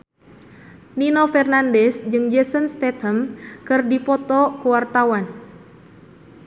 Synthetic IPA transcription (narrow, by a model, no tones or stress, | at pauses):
ninɔfɛrnandɛsd͡ʒɨŋd͡ʒɛsənst̪ɛt̪əmkɨrdipɔt̪ɔkuwart̪awan